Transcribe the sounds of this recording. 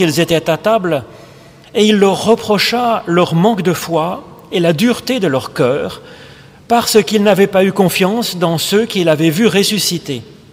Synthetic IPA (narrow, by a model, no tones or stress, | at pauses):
ilzet̪ɛt̪at̪abl | eilːœʁːəpχɔʃalœʁmɑ̃kd̪əfwa | elad̪yʁt̪ed̪əlœʁkœːʁ | paʁsəkilnavɛpaykɔ̃fjɑ̃sd̪ɑ̃søkʲilavɛvyʁesysit̪e